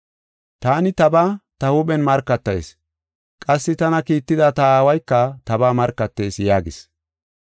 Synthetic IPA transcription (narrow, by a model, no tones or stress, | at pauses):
t̪aːnɪt̪ɐbaːt̪ɐhʊɓɛnmɐɾkːɐt̪ːɐjs | kʼɐsːɪt̪ɐnɐkiːt̪ːɪd̪ɐt̪ɐaːwɐjkːɐt̪ɐbaːmɐɾkːɐt̪ːe̞ːsjaːɡɪs